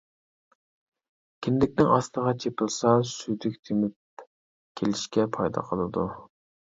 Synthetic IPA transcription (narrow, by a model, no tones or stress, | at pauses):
kʲʰɪnd̪ɪkʲnɪŋɑst̪əʁɑt͡ʃʰepɪlˠsɑsyjd̪ykʲt̪ʰemɪp | kʲʰelɪʃkʲɛpʰɑjd̪ɑ̰qʰəlˠɨd̪u